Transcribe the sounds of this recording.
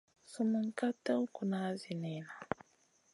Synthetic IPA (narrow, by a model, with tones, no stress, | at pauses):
su˨mu˨ŋ̩˨ka˦ta˦u˦ku˨na˦zi˨nɛ˨na˨